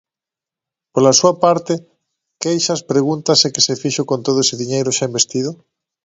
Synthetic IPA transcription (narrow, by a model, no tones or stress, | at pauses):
polasuɐpaɾt̪ɪ | kejʃaspɾeɣunt̪ɐsekɪsefiʃʊkont̪oðʊesɪðiɲejɾʊʃaĩmbest̪iðʊ